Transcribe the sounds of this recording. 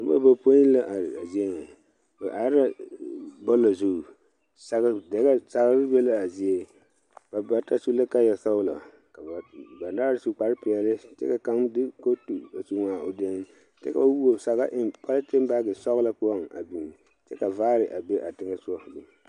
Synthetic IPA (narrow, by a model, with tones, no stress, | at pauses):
a˨˦a̰˦ba˦po˦i˦la˦ʔa˨ɾa˨zi˦e˦ŋɛ˨ | ʔa˨˦ɾa˦ | bɔ˦la˨zu˦˨ | sa˦ɣa˦dɛ˦ɡa˦sa˨ɣa˦ɾɪ˦be˦la˦a˨zi˦e˦ | b̥a˨ba˦ta˦su˦la˦ka˦jɛ˨˦sa˦wʊ˦la̰˨ | ka˨ba˨ba˨ndaː˦ɾsu˦k͡pa˨ɾɪ˦pɪ˨ɛ˨lɪ˦t͡ʃɛ̰˦ka˨ka˨˦mdɪ˦ko˦tu˨a˨su˦ŋa˨o˨de˦ŋ˦ | t͡ʃɛ̰˦ka˨a˦wu˦o˨sa˨ɣa˦ʔɪ˦mpʰa˦la˦tɪ˦m˦ba˦ɡɪ˨sɔ˦ɣla˦pʊ˦a˦ŋa̰˨bi˨n˨ | t͡ʃɛ˦ka˨vaː˦ɾɪ˨ʔa˨be˦ʔa˨tɪ˦ŋa˦sʊ˦ɔ˦˨do˨